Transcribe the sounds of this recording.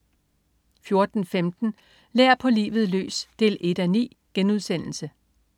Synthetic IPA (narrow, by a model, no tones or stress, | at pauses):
fjo̝ɐd̥n̩femd̥n̩ | leɐpʰɒ̽lḭːʋð̩ˠlø̰ːsd̥e̝̰ːlʔe̝d̥ænḭː | ɡ̥enuð̞ˠsen̰l̩sə